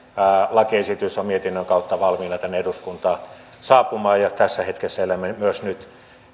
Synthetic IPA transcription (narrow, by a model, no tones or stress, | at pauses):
ælɑkiesit̪ysommiet̪inːøŋkɑut̪ːɑʋɑlmiːnɑt̪ænːeeduskunt̪ɑː | sɑːpumɑːjɑt̪æsːæhet̪kesːæelæmemyøsnyt̪